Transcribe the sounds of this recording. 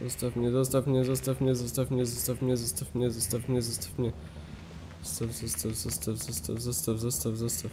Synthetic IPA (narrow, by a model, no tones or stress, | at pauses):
ɔst̪afɲɛzɔst̪afɲɛzɔst̪afɲɛzɔst̪afɲɛzɔst̪apɲɛzɔst̪afɲɛzɔst̪apɲɛzɔst̪ḁpɲɛ | ɔst̪avzɔst̪avzɔst̪avzɔst̪avzɔst̪avzɔst̪avzɔst̪a